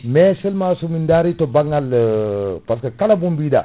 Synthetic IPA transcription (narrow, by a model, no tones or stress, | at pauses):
mɛsɛlmasumindaɾitɔbaŋɡal | paskakalabumbiːda̰